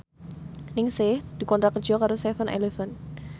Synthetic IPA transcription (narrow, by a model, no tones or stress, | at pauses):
nɪŋsɪhd̪̥ikɔnt̪ɾakər̥d͡ʒ̥ɔkaɾost̪ɛfənʔa̰lefən